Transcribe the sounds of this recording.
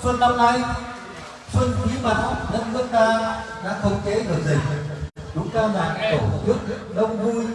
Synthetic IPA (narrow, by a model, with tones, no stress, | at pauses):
swə˧nɗa˧wna˧j | swə˧nkɲḭ˨˧˦ma˨˩t̚zə˦˥t̚nɨ˦˥ək̚kaː˧ɗa̰ː˧˥xə˧wŋ͡mt͡ɕe˨˦ɗɨ˨˩ək̚zi˨˩ŋ̚ | ɗʊ˨˦ŋ͡mkaː˧wzaː˨˩ʔt̪o˧˩t͡ɕɨ˦˥ək̚ | ɗə˧wŋ͡mvu˧j